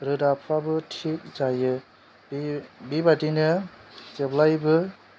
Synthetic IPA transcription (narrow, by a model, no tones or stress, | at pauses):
ɾɯdapʰabɯtʰik̚zajɯ | bbibatinɯzeblajbɯ